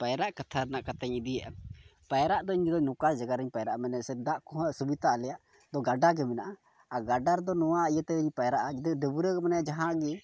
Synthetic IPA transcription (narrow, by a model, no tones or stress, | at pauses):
pajɾaʔkat̪ʰaɾɛnaʔkat̪ɛɲid̪ijaʔapajɾaʔd̪ɔiɲd͡ʒd̪ɔɲnɔkasd͡ʒaɡaɾɛɲpajɾaʔamɛnɛsɛd̪aʔkɔɦəsubit̪aʔalɛjaʔ | d̪ɔɡaɖaɡɛmɛnaʔa | aɡaɖaɾd̪ɔnɔwaijət̪ɛiɲpajɾaʔad͡ʒɛd̪ɔɖəbuɾəɡmanajad͡ʒaɦãʔɡɛ